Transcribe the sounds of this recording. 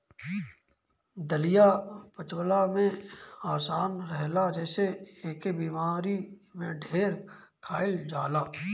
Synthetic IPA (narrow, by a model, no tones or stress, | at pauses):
d̪əlijapət͡ʃwəlamẽaːsaːnɾɛɦlad͡ʒɛːseeːkebiːmaːɾimẽɖʱeːɾkʰaːɪld͡ʒaːlaː